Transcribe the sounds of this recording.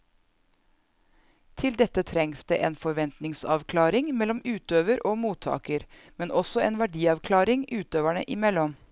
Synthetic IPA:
t̪ʰɪld̪ɛt̪ːət̪ʰɾɛŋsd̪̥ḛːʔeːnfɔɾʋɛnt̪nɪŋsɑ̰ʋkʰlɑːɾɪŋmɛlɔmʉːt̪øːʋəɾʔoːmuːt̪ʰːɑ̰ːkəɾ | mɛnʔɔsɔeːnʋæɖiːɑʋkʰlɑːɾɪŋʔʉːt̪øːʋæɳə̰ʔɪmɛlːɔm

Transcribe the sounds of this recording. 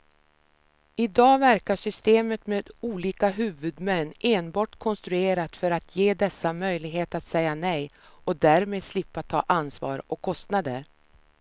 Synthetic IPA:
ɪd̪ɑːvæɾkaʂʏst̪eːmət̪meːd̪uːliːkaɦʉ̟ːvɵd̪mɛnːʔeːnbɑːʈkʰɔnst̪ɾɵeːɾat̪fœɾat̪ʰjeːd̪ɛsːamœjlɪɡɦeːt̪at̪sɛjːanɛj | ɔd̪æɾmeːd̪slɪpːat̪ʰɑ̰ːʔansvɑ̰ːɾɔkʰːɔst̪nad̪əɾ

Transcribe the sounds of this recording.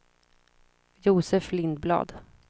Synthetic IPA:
juːsɛflɪnd̪̚blɑ̰ːd̪

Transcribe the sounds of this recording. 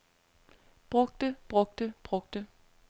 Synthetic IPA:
b̥ʁɔ̽ɡ̥̚d̥əb̥ʁɔ̽ɡ̥̚d̥əb̥ʁɔ̽ɡ̥̚d̥ə

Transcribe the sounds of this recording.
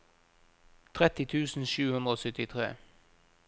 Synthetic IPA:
t̪ʰʁɛt̪ɪt̪ʰʉːsn̩ʃʉːhʉnd̪ʁəoːsʏt̪ɪt̪ʰʁḛː

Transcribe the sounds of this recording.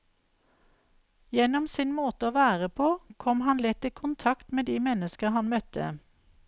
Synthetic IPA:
jɛnɔmsiːnmoːt̪əoːʋæːʁəpʰoːkʰɔmhɑnlɪt̪iːkʰʊnt̪ʰɑkt̪meːd̪iːmɛnəskəhɑnmœt̪ʰə̰

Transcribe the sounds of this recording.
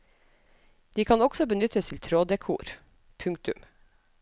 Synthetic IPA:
d̪̥iːkʰɑnɔɡ̥sɔbənʏt̪ʰəst̪ʰɪlt̪ʰɾoːd̪əkʰṵːɾ | pʰʉŋkt̪ʉm

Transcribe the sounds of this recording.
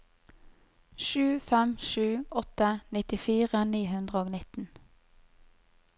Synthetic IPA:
ʃʉːfɛmʃʉːʔɔt̪ənɪt̪ɪfiːʁəniːhʉnd̪ʁəoːɡnɪt̪n̩

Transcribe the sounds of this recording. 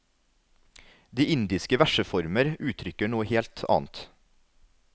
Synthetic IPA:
d̪iːɪnd̪ɪskəʋæʃəfɔɾməɾʉːt̪ʰɾʏkəɳuːəheːlt̪ʰɑ̰ːnt̪

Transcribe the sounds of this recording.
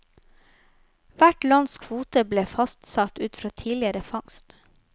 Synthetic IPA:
ʋæʈlɑnskʰʋuːt̪əbleːfɑst̪sɑt̪ʉːt̪fɾɑːt̪ʰiːlɪəɾəfɑŋst̪

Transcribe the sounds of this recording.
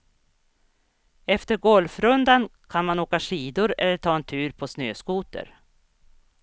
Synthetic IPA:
ɛft̪əɾɡɔlfɾɵnd̪ankʰanmanoːkaʂiːd̪ʊɾɛ̰lːəʈʰɑːɛnt̪ʰʉ̟ːɾpʰɔsnø̰ːskuːt̪ə̰ɾ

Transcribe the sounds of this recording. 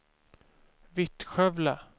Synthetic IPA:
vɪt̪ɧœvla

